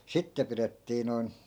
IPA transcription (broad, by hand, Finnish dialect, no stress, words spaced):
sitːe piretːiː noi̯n